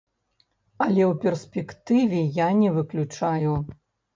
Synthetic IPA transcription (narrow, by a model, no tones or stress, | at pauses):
ɐlʲɛwpʲɛrsʲpʲɛkt̪ɨvʲɛjanʲɛvɨklʲut͡ʂaju